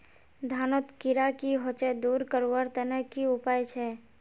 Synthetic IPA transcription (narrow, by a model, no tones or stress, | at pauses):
d̪ʱaːnot̪kɪɾakiɦot͡ʃed̪uːɾkəɾwəɾt̪ənəkiʊpaːjt͡ʃʰɛ